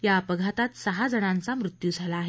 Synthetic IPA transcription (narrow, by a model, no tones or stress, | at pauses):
japəɡʱat̪at̪səɦad͡zəɽ̃ãnt͡samɾut̪jud͡zʱalaːɦe